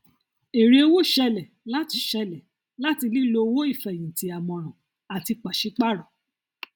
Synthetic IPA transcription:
e˨ɾi˧o˧wo˦˨ʃɛ˧lɛ˨ | la˦ti˧ʃɛ˧lɛ˨ | la˦ti˧li˦lo˧wo˦i˦˨fɛ˨jĩ˨ti˨˦a˨mɔ̃˨˧˨ɾ̃ã˨ | a˨ti˧k͡pa˨ʃi˨˦k͡pa˦˨ɾɔ̃˨

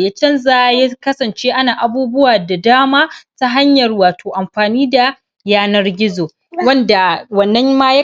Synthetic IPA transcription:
jaː˦t͡ʃɐ˦nza˦ja˦kɐ˦sɐ˨nt͡ʃeː˦ʔa˦naː˨ʔa˨buː˦bʊ˦waː˨da˨daː˦maː˦ta˦ɦa˦ɲjɐ˨rwaː˨tʰoː˨ʔa˨mɸaː˨niː˦da˨ | jaː˦nɐ˦rɡʲɪ˦zoː˨ | wɐ˦nda˨wɐ˨nːɐ˦mmaː˦ja˦

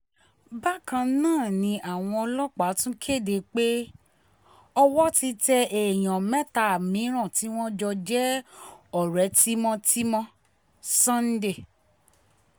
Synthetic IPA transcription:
ba˦kã˧nãː˦˨nĩ˧ʔa˨w̃ɔ̃˧ɔ˧lɔ˦k͡pa˨˦tũ˦kʰe˦˨de˧˨k͡pe˦ | ɔ˧wɔ˦ti˧tɛ˧ʔe˨j̃ã˨mɛ˦ta˨mĩ˨˦ɾ̃ã˦˨ti˨˦w̃ɔ̃˦d͡ʒɔ˧d͡ʒɛ˦ɔ˨ɾɛ˨˦ti˦mɔ̃˦˧ti˦mɔ̃˧˦ | sã˦n̩˦de˦˨

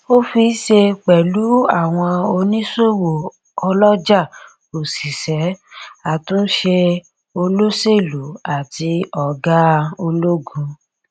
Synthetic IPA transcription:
o˦fi˧˦ʃe˧k͡pɛ˨lu˨˦a˦˨w̃ɔ̃˧o˧nĩ˦so˦˨wo˨ | ɔ˧lɔ˦d͡ʒa˦˨ | o˨si˨sɛ˨˦a˨tũ˦n̩˦ʃe˧ | o˧lo˦se˦˨lu˨˦a˨ti˧ɔ˨ɡa˦o˧lo˦ɡũ˧

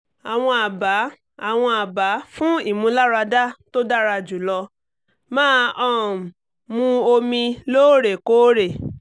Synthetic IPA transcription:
a˨w̃ɔ̃˧a˨ba˨˦ | a˨w̃ɔ̃˧a˨ba˨˦fũ˦i˦˨mũ˧˦la˦ɾa˧da˦to˦da˦ɾa˧˨d͡ʒu˨˦lɔ˧ | mãː˦ʔɔ̃˦˨ | mũ˧o˧mĩ˧loː˦ɾe˨koː˦ɾe˦˨

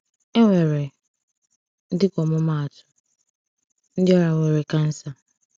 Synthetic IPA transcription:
e˦ŋʷe˨ɾe˨ | n̩˦dɪ˦kʷɔ˨mʊ˦ma˦a˨tʊ̥˦ | n̩˦dɪ˦ɔ˦ɾa˨ŋʷe˨ɾe˨ka˦n̩˦sa˨

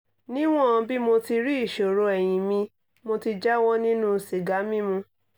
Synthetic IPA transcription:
nĩ˦w̃ɔ̃˦˨ã˧bi˦mo˧ti˧ɾi˦i˦˨ʃo˨ɾo˧ɛ˨j̃ĩ˨mĩ˧ | mo˧ti˧d͡ʒa˦wɔ˦nĩ˦nũ˦˨si˨ɡa˨˦mĩ˦mũ˧

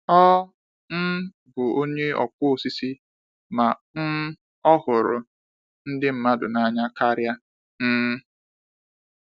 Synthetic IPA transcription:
ɔ˦ | n̩˦ | bʊ˨o˦ɲe˦ɔ̰˨kʊ˦o˨si˦si˦ | ma˨n̩˦ | ɔ˦hʊ˨ɾʊ̰˨ | n̩˦dɪ˦m̩˦ma˦dʊ̰˨na˦˨ɲa˦ka˦ɾja˦ | n̩˦

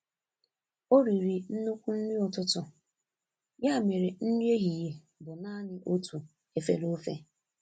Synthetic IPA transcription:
o˦ɾi˨ɾi˨n̩˦nu˦kʷu˦n̩˦ni˦ɔ˨tʊ˦tʊ˨ | ja˦˨me˨ɾe˨n̩˦n˦e˦ɣi˨je˨ | dʊ˨na˦nɪ˦ʔo˦tʰu˨ | e˨fḛ˨lo˦fḛ˦

